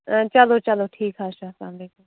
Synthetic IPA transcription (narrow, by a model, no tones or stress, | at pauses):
t͡ʃəloːt͡ʃəloːʈʰiːkɦaːʃaːsã̰ːbeːkʊl